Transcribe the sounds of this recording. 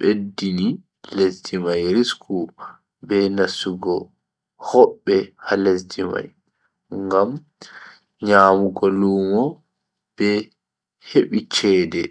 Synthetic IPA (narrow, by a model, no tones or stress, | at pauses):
ɓedːini | lesdimajɾiskʰu | bɛnasuɡɔ | hɔɓːɛhalesdima̰j | ŋɡam | ɲaːmuɡɔluːmɔ | b̥ɛ | heɓit͡ʃɛːdɛ